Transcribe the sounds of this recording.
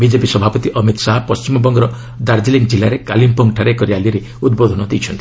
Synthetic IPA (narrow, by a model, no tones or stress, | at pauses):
bid͡ʒepisɔbʱapɔt̪iʔɔmit̪saɦpɔst͡ʃimɔbɔŋɡɾɔ | d̪aɾd͡ʒileŋ̚d͡ʒilaɾekalimpɔŋɡʈʰaɾekɔɾialiɾe | ud̪̚bod̪ʱɔnɔd̪ijt͡ʃʰɔnt̪ii̥